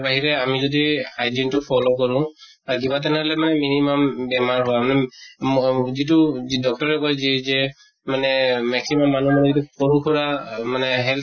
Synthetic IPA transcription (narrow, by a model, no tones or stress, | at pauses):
baɦiɹɛamizɔdiajd͡ʒintʊpʰɔlokɔɹʊ̃ | aɹkibat̬ɛnɛɦɔlɛmanɛminimambɛmaɹɦɔamanɛ | zit̬udɔk̚tɔɹɛkɔjzɛzɛ | manɛmɛksimamːanumanɛzitukɔɹukʰɔɹamanɛɦɛl